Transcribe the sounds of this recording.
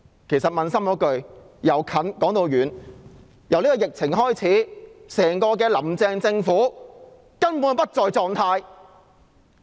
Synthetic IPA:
kʰe˨˩jsɐ˨t̚mɐ˨nsɐ˥mkɔː˨˥kɵ˨ɥ | jɐ˨˧wkʰɐ˨˥nkɔː˨˥ŋt̪o˨˧wjyː˨˩n | jɐ˨˩wliː˥kɔː˧jɪ˨k̚t͡sʰɪ˨˩ŋɦɔː˥jt͡sʰiː˨˥sɛː˨˩ŋkɔː˧k̬ɛː˧lɐ˨˩mt͡sɛː˧ŋt͡sɪ˧ŋfuː˨˥ | kɐ˥npuː˨˥npɐ˥t̚t͡sɔː˨˧jt͡sɔː˨˧ŋt̪ʰaː˧j

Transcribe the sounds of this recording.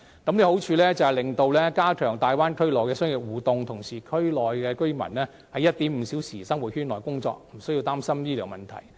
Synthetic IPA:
kɐ˨˥mne˧ho˨˥wt͡ʃʰyː˧lɛː˥t͡sɐ˧whɐ˨jlɪ˨˩ŋt̪o˨˧wlɛː˥kaː˥kʰœː˨˩ŋt̪aː˨jwaː˥nkʰɵ˥ɥlɔː˨˩jkɛː˧sœː˥ŋjɪ˨k̚wuː˨t̪ʊ˨ŋt̪ʰʊ˨˩ŋsiː˨˩kʰɵ˥ɥlɔː˨jkɛː˧kɵ˥ɥmɐ̰˨˩nlɛː˥ | hɐ˨jːɐ˥t̚t̪iː˨˥m̩˨˩si˨˥wsiː˨˩sɐ˥ŋwuː˨t̚hyː˥nlɔː˨˩jkʊ˥ŋt͡sɔ̰ː˧k̚m̩˨˩sɵ˥ji˧wt̪aː˥msɐ˥mniː˥lɛː˨˩wmɐ˨nt̪ʰɐ̰˨˩j

